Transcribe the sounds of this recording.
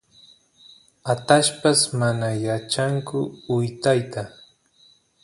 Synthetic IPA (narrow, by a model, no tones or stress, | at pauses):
at̪aʃpasmanajat͡ʃaŋkʊʊjt̪ajt̪a